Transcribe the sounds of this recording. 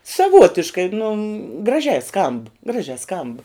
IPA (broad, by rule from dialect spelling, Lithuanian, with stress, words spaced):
sɐˈʋuɔtʲɪʃkɐɪ nʊ ɡrɐˈʒʲɛɪ skɐmp ˈɡrɑːʒʲɛ skɐmp